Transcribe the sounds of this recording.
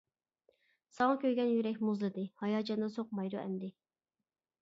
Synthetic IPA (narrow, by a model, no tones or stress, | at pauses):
sɑŋɑkʲøɾɡʲɛnjyɾɛkʲmuzlˠɨd̪ɨhɑjɑːd͡ʒɑnd̪ɑsoq̚mɑjɾuʔɛ̰nd̪ɪ